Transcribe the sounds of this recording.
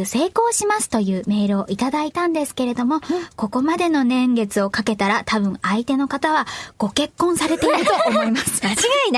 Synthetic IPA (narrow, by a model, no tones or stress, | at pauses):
se̞ːko̞ːɕimasɨ̥t̪o̞jɯ̟ːme̞ːɾɯ̟oʔit̪ad̪ait̪ãnd̪e̞sɨ̥ke̞ɾe̞d̪o̞mo̞ko̞ko̞mad̪e̞no̞nẽ̞ŋɡe̞t͡sɨo̞kake̞t̪aɾat̪abɯ̟̃ɰait̪e̞no̞kat̪aβaɡ̥o̞ke̞kːõ̞ɰ̃saɾe̞t̪e̞iɾɯ̟t̪o̞ːmo̞imasɨ̥aʑiɡain